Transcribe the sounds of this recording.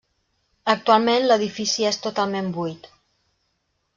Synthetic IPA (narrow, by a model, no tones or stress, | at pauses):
ək̚t̪ualˠmẽnləðifisiest̪ut̪alˠmembujt̪